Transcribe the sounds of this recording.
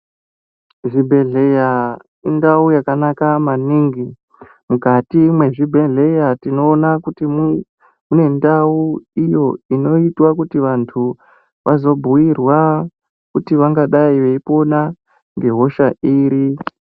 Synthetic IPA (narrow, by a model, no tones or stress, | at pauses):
ʐibʱe̞ɮeja | indaujakanakamaniŋɡi | mukatimwe̞ʐibʱe̞ɮe̞jatino̞ːnakutim | mune̞ndauijo̞ino̞itwakutiʋantʰu | ʋʔazo̞bʱuwirwa | kutiʋaŋɡaɗaiʋeipo̞na | ŋɡe̞ɦo̞ʃaʔiːɾi